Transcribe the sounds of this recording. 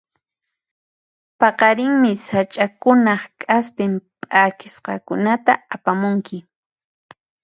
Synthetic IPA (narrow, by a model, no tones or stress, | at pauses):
pɑqɑɾɪŋmɪsat͡ʃʼakʊnɑχkʼaspɪmpʼakɪsqɑkʊnat̪aːpamʊŋkɪ